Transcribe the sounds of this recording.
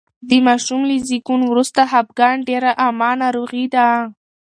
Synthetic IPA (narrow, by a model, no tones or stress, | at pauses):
d̪əmɑʃumlizikunwɾust̪aɦap̚ɡɑɳɖeɾaʔamɑnɑɾoɣid̪a